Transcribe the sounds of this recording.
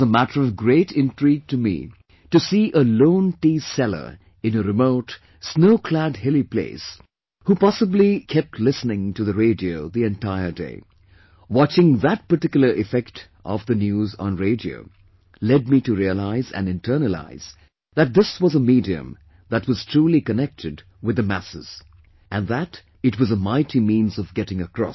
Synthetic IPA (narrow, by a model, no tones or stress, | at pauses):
zəmæɾə˞ʌvɡɹeɪɾɪ̃ntʰɹ̥iɡ̚tɨmḭ | tɨsiʔəlõʊ̃ntisɛlˠə̰˞ | ɨ̃nɨɾɨmoʊt | snoʊkʰl̥ædhɪlˠipʰlḛɪs | hupɑsəblikʰɛp̚tʰˡlɪsnɪ̃ŋtɨðɨɹeɪdioʊðiɨ̃ntaɪə˞dḛɪ | wɑt͡ʃɪ̃ŋðɨt̚pə˞tɪkjl̩ˠə˞ʔɪfɛkt | ʔʌvðɨnjuz̃nɹeɪdio̰ʊ | lɛd̚mitɨɹiəlaɪzɨ̰̃nɨ̃ntʰɜ˞nəla̰ɪz̥ | ðɨt̪̚ðɪswʌzəmidiɨ̰̃m | ðɨtwʌz̥tʰɹ̥ulikɨnɛk̚tʰɨd | wɨðɨmæsɨ̰z̥ | ʔɨ̃nðæɾ | ɨtwʌzəmaɪɾimĩnzʌvɡɛɾɪ̃ŋɨkɹ̥ɔ̰